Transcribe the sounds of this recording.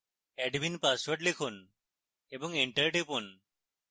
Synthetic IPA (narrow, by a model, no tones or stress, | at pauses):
ɛɖbinpasʋəʈlikʰun | ebəŋɡeɳʈəɾɖepun